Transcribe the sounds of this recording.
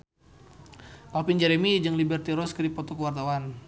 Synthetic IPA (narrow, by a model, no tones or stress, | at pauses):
papind͡ʒɛɾɛmid͡ʒəŋlibərt̪iɾɔskədipɔt̪ɔkəwart̪awan